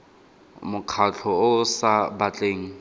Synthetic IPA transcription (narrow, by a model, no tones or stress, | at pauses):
mʊkʰat͡ɬʰɔʊsabat͡ɬʼeːŋ̩